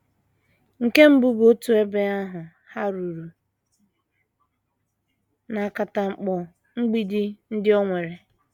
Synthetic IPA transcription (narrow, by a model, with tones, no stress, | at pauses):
ŋ̩˨ke˦m̩˦bʊ˦ɡo˦tu˨e˦be˦a˦ɦʊ˨ | ha˦ɾu˨ɾu˨ | na˨a˨ka˨ta˨ŋ͡m̩˨k͡pɔ˨ | ŋ̩˦ɡ͡bi˦di˦n̩˦dɪ˦ɔ˦ŋʷe˨ɾe˨